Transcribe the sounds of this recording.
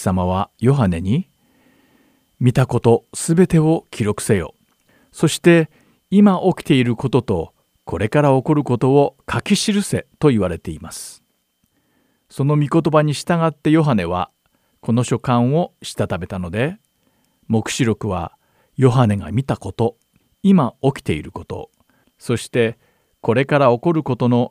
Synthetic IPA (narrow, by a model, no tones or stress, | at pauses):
samaβ̞ajo̞ɦane̞ɲ̟i | mʲit̪ako̞t̪o̞sɨbe̞t̪e̞o̞kʲiɾo̞kɯ̟̥sejo̞̰ː | so̞ɕi̥t̪e̞ | imaʔo̞kʲi̥t̪e̞iɾɯ̟ko̞t̪o̞t̪o̞ | kʰo̞ɾe̞kaɾao̞ko̞ɾɯ̟ko̞t̪o̞ːkʰakʲiɕiɾɯ̟se̞t̪o̞iβaɾe̞t̪e̞imasɨ̥ | so̞no̞mʲiko̞t̪o̞baɲ̟iɕi̥t̪aɡat̪ːe̞jo̞ɦane̞β̞a̰ | ko̞no̞ɕo̞kãɰ̃o̞ɕi̥t̪at̪abe̞t̪ano̞d̪e̞ | mo̞kɯ̟̥ɕiɾo̞kɯ̟βa̰ | jo̞ɦane̞ɡa̰mʲit̪ako̞t̪o̞ | imao̞kʲi̥t̪e̞ḭɾɯ̟ko̞t̪o̞̰ | so̞ɕi̥t̪e̞ | ko̞ɾe̞kaɾao̞ko̞ɾɯ̟ko̞t̪o̞no̞